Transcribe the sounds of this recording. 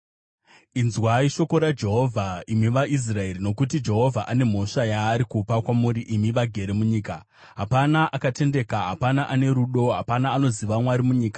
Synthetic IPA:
inzwaiʃo̞ko̞ɾad͡ʒe̞ɦo̞vʱaimiʋais̬rae̞ɾino̞kut̬id͡ʒe̞ɦo̞vʱaʔane̞m̤o̞ʂajaːɾikupakwamuɾiʔimiʋaɡʱe̞ɾe̞muɲiːka | ɦapanaʔakate̞nde̞kaɦapanaʔane̞ɾuɗo̞ɦapanaːno̞ziʋamwaɾimuɲiːkḁ

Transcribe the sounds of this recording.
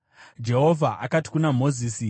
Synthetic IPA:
d͡ʒe̞ɦo̞vʱaʔa̰kati̥kunamo̞ziːsi

